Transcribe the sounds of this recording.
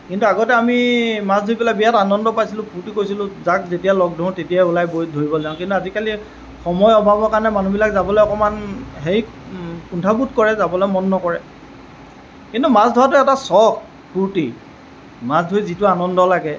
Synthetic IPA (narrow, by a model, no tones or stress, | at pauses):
kintuaɡɔtɛamimasdʱojpɛlabijatanɔndɔpajsilʊ̃pʰuɹtikojsilʊ̃zakzetijalɔɡ̚dʱʊ̃tetijaulajbojdʱoɹibɔzaʊ̃kintuazikali | xɔmɔjɔbʱabɔkaɹnɛmanubilakzabɔlɔjɔkɔmanɦeɹi | kuntʰabut̚kɔɹɛzabɔlɔmɔnːɔkɔɹɛ | kintumasdʱɔɹatʊɛtasɔx | pʰuɹti | masdʱojzitʊanɔndɔlaɡɛ